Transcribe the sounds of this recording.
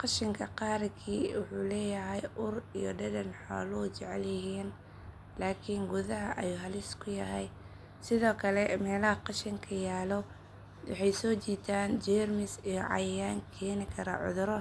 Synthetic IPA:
qɑʃɪŋkʰɐqɑːɾkʰiːwʊħuːlɛːjɐɦɛjʔʊrijɔ̰ɖɐdɐnħɔ̰ːlɔt͡ʃɛʕɛ̰ljɪɦiːn | laːkʰiːŋɡʊðɐɦɐ̰ʔɐ̰juːɦɐlɪskʰʊjɐɦɛj | sɪðɔːkʰɐlɛmɛːlɐhɐqɑʃɪŋkʰɐjaːlɔ | wɑ̰ħɑjsɔːt͡ʃiːt̪ʰaːnd͡ʒɛrmɪsijɔʕɑ̰jjaːŋkʰɛːnɪkʰɐɾɐ̰ʕʊ̰ðʊɾɔ

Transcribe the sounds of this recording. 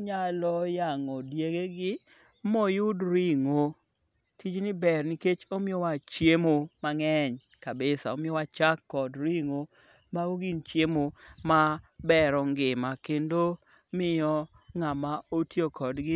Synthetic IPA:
ɲalɔjaŋɔdjeɡeɡɪ | mɔjʊdɾiŋo | tʰid͡ʒnɪbɛrniket͡ʃomɪɔwat͡ʃjemomaŋɛɲ | kabɪsa̰omɪɔwat͡ʃakːɔdɾiŋo | maɡoɡint͡ʃjemomabɛɾɔŋɡɪmakendo | mɪjɔ | ŋamaotjokɔdɡɪ

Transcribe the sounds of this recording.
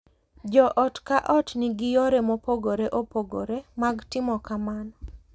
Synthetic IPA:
d͡ʒɔʔɔtkaʔɔtnɪɡɪjoɾemopoɡoɾeʔopoɡo̰ɾemaɡtɪmɔkamanɔ

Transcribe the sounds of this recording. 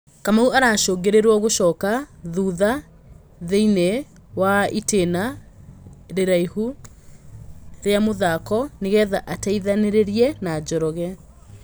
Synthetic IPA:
kamauaɾaːʃoːŋɡeɾeɾwɔɣoʃɔːkaðuːða | ðeine | waiteːna | ɾeɾaihu | ɾeamoðakɔneɣɛːðaʔataiðaneɾeɾiɛnad͡ʑɔɾɔɣɛ

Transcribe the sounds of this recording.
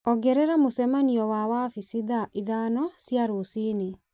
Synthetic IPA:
ɔɡɛɾɛɾamosɛmaniɔwawafisiðaʔiðanɔsjaɾosine

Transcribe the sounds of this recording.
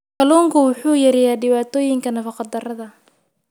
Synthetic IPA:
kʰɐluːŋkʰʊwʊħuːjɐɾɛjaːɖɪβaːt̪ʰɔːjɪŋkʰɐnɐfɑqɑd̪ɐrɐðɐ

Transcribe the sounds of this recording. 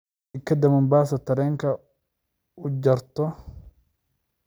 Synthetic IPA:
ɪkʰːɐd̪ɐmɐmbaːsɐt̪ʰɐɾɛːŋkʰɐ | ʊd͡ʒɐɾt̪ɔ

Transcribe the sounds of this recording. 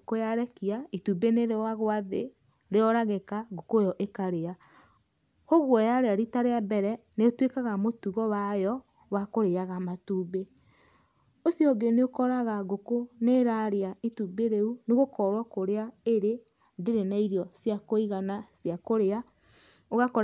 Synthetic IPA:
kojaɾɛkiaitubeneɾewaɣwaðe | ɾeɔɾaɣekaɡokojɔʔekaɾea | hoɣwɔjaɾeaɾitaɾeabɛɾɛ | neotwekaɣamotuɣɔwajɔ | wakoɾeaɣamatuːbe | osjɔɡeneokɔɾaɣaɡokoneɾaɾeaitubeɾeuneɣokɔɾwakoɾeaeɾe | ndeɾenaiɾjɔsjakoiɣanasjakoɾea | oɣakɔ

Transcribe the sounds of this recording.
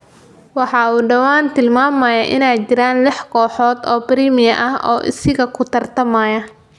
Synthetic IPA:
wɑħɑːuːɖɐwaːnt̪ʰɪlmaːmɐjɐʔɪnɛjt͡ʃɪɾaːnlɪħkʰɔːħɔːd̪ɔːbɪɾiːmɪjɐʔɐɦʔɔ̰ːʔɪ̰sɪɣɐkʰʊt̪ʰɐrt̪ʰɐmɐːjɐ

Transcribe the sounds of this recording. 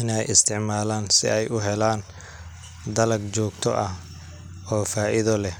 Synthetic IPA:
ʔɪnɛjɪst̪ʰɪʕmaːlaːnsɪ̰ɛjʔʊɦɛlaːn | d̪ɐlɐɡt͡ʃɔːɡt̪ʰɔ̰ʔɐh | ɔːfaːʔɪðɔlɛ

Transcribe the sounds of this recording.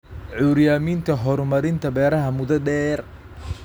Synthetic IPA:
ʕuːɾjaːmiːnt̪ʰɐɦɔɾmɐɾɪnt̪ʰɐbɛːɾɐɦɐmʊðɐɖɛːr

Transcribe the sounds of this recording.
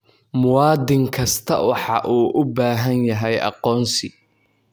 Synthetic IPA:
mʊwɑːd̪ɪŋkʰɐst̪ʰɐ̰wɑħɑʔuːʔʊbaːɦɐnjɐɦɛjʔɑ̰qɔːnsɪ

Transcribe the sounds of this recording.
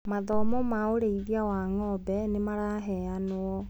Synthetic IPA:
maðɔmɔmaoɾeiðiawaŋɔbɛnemaɾaɦɛanoɔ

